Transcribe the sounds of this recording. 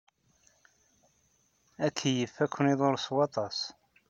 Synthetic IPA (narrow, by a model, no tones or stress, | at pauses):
ækʰːjəfːækʷːəniðˤoɾswɑt̪ˤɑs